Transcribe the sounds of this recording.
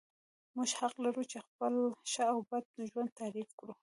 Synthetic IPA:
muʒhaqlaɾut͡ʃexpəlʃaːwbad̪̚əʒwand̪̚t̪aɾifkɽu

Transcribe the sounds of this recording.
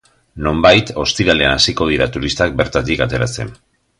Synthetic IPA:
no̞mbajt̪o̞st̪iɾale̞anasiko̞ð̞iɾat̪uɾist̪ak̚be̞ɾt̪at̪ikat̪e̞ɾase̞̰n

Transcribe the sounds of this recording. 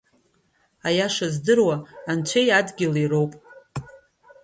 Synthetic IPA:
ajaʂazdɨrwaːnt͡ʃʷʰejadɡʲɪliɾo̞wpʼ

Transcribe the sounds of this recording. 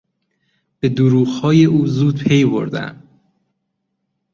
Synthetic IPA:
b̥e̞d̪oɾuːɣhɒːje̞ʔuːzuːd̪̚pʰe̞jbo̰ɾd̪æ̰m

